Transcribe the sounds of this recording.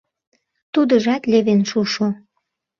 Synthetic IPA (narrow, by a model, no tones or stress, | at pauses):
t̪ud̪əʒɑt̪leβenʃuʃo